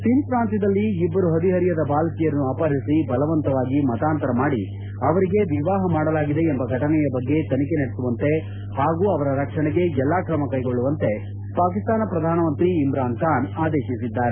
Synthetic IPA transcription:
sinpɾaːnt̪id̪ɐlːiːbːɐɾuɦɐd̪iɦɐɾijɐd̪ɐbaːlkijɐɾɐnːuaːpaːɾisibɐlɐʋɐnt̪ɐʋaːɡimɐt̪aːnt̪ɐɾɐmaːɽḭ | ɐʋɐɾiɡe̞ʋiʋaːɦɐmaːɽɐlaːɡid̪e̞ːmbɐɡʱɐʈʰɐnɛjɐbɐɡːe̞t̪ɐnike̞nɐɽesuʋɐnt̪e̞ | haːɡuːɐʋɐɾɐɾɐkʂɐɳɛɡe̞ɛlːaːkɾɐmɐkɐjɡo̞ɭːuʋɐnt̪e̞ | paːkist̪aːnɐpɾɐd̪ʱaːnɐmɐnt̪ɾiːmɾaːnt̪aːnaːd̪eːʃisid̪ːaːɾe

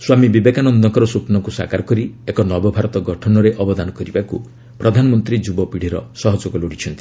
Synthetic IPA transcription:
swamibibekanɔnd̪ɔŋkɔɾɔsupnɔŋkusa̰kaɾɔkɔɾiekɔnɔbɔbʱaɾɔt̪ɔɡɔʈʰɔnɔɾeʔɔbɔd̪anɔkɔɾibaku | pɾɔd̪ʱanɔmɔnt̪ɾid͡ʒubɔpiɽ̤iɾɔ̰sɔɦɔd͡ʒoɡɔloɽit͡ʃʰɔnt̪i̥

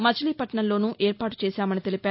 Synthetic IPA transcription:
mɐt͡ʃʰɐliːpɐʈɳɐllo̞ːnuʔeːɾpaːʈu̥t͡ʃeːsaːmɐnit̪elipaː

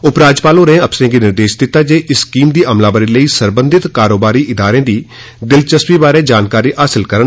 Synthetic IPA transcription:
ʊpɾaːd͡ʒpaːlõːɾẽːəpsəɾẽːɡiːnɪɾd̪eːʃd̪ɪt̪ːaːd͡ʒeːʔɪskiːmd̪iːʔəmlaːbəɾiːləiːsəɾbə̃nd̪ɪt̪kaːɾoːbaːɾiːʔɪd̪aːɾẽːd̪iː | d̪ɪlt͡ʃəswiːbaːɾeːd͡ʒaːnkaːɾiːʔaːsɪlkəɾən

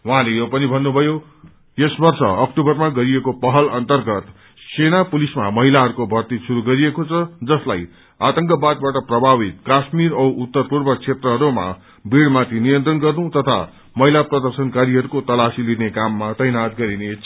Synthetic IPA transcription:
wʌɦãlejopʌnibʱʌnːubʱʌjo | jesbʌrsʌ̰ʌk̚ʈubʌrmaɡʌɾiekopʌɦʌlʌnt̪ʌrɡʌt̪ | senapulisma̰mʌɦilaɦʌɾukobʱʌrt̪isuɾuɡʌɾiekot͡sʰʌd͡zʌslaj | at̪ʌŋkʌbad̪̚baʈʌprʌbʱabit̪̚kasmiɾʌwut̪ːʌrpurbʌt͡sʰet̪rʌɦʌɾuma̰ | biɽmat̪ʰinijʌnt̪rʌnɡʌrnũt̪ʌt̪ʰa̰ | mʌɦilaprʌd̪ʌrsʌnkaɾiɦʌɾukot̪ʌlasilinekamːat̪ʌjnat̪ɡʌɾinet͡sʰ

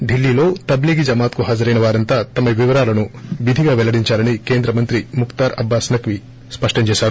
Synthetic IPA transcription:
ɖilːiːlo̞ːt̪ɐbliːɡid͡ʒɐmaːt̪kuɦaːd͡ʒɐɾɐjnɐʋaːɾɐnt̪aːt̪ɐmɐʋiʋɐɾaːlɐnuʋid̪ʱiɡaːʋɛlɐɽiɲt͡ʃaːɾɐnike̞ːnd̪ɾɐmɐnt̪ɾimukt̪aːɾɐ̰bːaːsnɐkʋi | spɐʂʈɐɲt͡ʃeːʃaːɾu

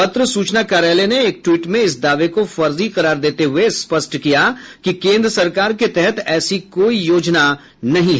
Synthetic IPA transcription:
pɐt̪ɾəsuːt͡ʃnakaːɾaːleneːk̚ʈwiːʈmẽɪsd̪aːʋekofɐɾziqɐɾaːɾd̪eːt̪eɦʊespɐsʈʰkijakikẽːnd̪ɾəsɐɾkaːɾket̪ɛɦɛt̪ɛːsikoːijoːd͡ʒna | nɐɦĩɦɛː

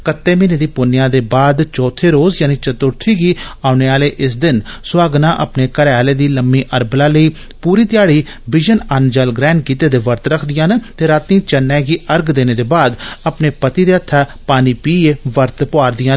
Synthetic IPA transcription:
kət̪ːeːmiːneːd̪iːpʊnɪjãːd̪eːbaːd̪t͡ʃɔːt̪ʰːeːɾoːzjaːnĩːt͡ʃət̪ʊɾt̪ʰiːɡiːaːʊneːaːleːʔɪs̬d̪ɪnsʊaːɡnãːʔə̰pneːkəɾaːleːd̪iːləmːiːʔəɾblaːləiː | puːɾiːt̪ɪjaːɽiː | ʋɪd͡ʒənənd͡ʒəlɡɾɛ̃ːɳɖ̚kiːt̪eːd̪eːʋəɾt̪ɾəkʰd̪ɪjãːnt̪eːɾaːt̪nĩːt͡ʃənːɛːɡiːʔəɾɡd̪eːneːd̪eːbaːd̪əpneːpət̪iːd̪eːət̪ʰːaːpaːniːpiːeːʋəɾt̪pʊaːɾd̪ɪjãː

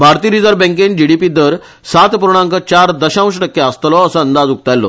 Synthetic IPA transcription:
bʱaɾt̪iːɾid͡zəɾbɛ̃ŋkend͡ʑiɽipid̪əɾ | sat̪puɾɳ̃ãŋkət͡ɕaɾd̪əɕãʋ̃ɕ̬ʈəkːjaəst̪lɔəsəənd̪ad͡zuk̚t̪alːɔ̰

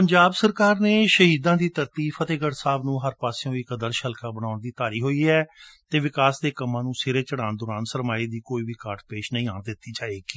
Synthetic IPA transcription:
pənɲd͡ʒaːbsəɾkaːɾneːʃəɦiːd̪ãːd̪iːt̪əɾt̪iːfət̪eːɡəɾsaːbnũːɦəɾpaːseõːiːkəd̪əɾʃəlkaːbəɽaːnd̪iːt̪aːɾiːɦoːiːɛːt̪eːʋɪkaːsd̪eːkəmːãːnũːsɪɾeːt͡ʃəɽaːnd̪ʊɾaːnsəɾmaːiːd̪iːkoːiːʋiːkaːʈpeːʃnəĩːaːnd̪ɪt̪ːiːd͡ʒaːeːkiː

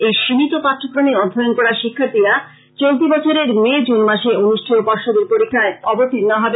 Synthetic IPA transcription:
ejʃiɦit̪opat̪ʰːokɾoniɔd̪ʱːoonkɔɾaɾʃikʰːaɾt̪iɾa | t͡ɕolt̪̬ibɔt͡ɕʰoɾeɾmed͡ʑunmaʃeuniʃʈʰoopɔɾʃod̪eɾpoɾikʰːaeɔbot̪innaɦɔbe

